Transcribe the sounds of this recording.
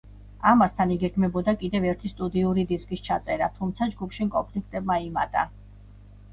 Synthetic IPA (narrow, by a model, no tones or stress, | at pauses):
amast̪ʰaniɡɛɡmɛbɔd̪akʼid̪ɛvɛɾt̪ʰist̪ʼud̪iuɾid̪iskʼist͡ʃʰat̪sʼɛɾat̪ʰumt̪sʰad͡ʒɡupʰʃimkʼɔnpʰlikʰt̪ʼɛb̚maima̰t̪ʼa̰